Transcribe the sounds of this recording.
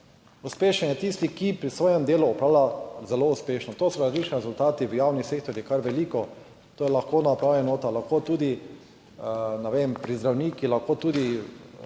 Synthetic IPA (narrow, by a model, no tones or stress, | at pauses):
uspeːʃɛnjɛt̪ist̪ikipɾisʋoːjɛmd̪eːluɔpɾaːwlazɛlouspeːʃnɔt̪oːsɔɾazlit͡ʃniɾɛzʊlt̪aːt̪iʋəjaːwniseːk̚t̪ɔɾjikaɾʋɛliːkɔ | t̪oːjɛlaxkoːnapɾaːwʋɛnoːt̪alaxkot̪uːd̪i | nɛʋeːmpɾizd̪ɾawniːkilaxkoːt̪uːd̪i